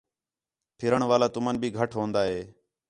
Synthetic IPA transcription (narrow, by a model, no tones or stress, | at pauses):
pʰɪɾəɳʋaːlaːt̪ʊmənbʱiːɡʱəʈʰɦõːnd̪aːɦeː